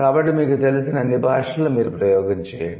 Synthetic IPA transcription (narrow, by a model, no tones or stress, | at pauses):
kaːbɐʈːimiːkut̪e̞lusinɐnːibʱaːʂɐlumiːɾupɾɐjɔːɡɐɲt͡ʃɛːja̰ːɳi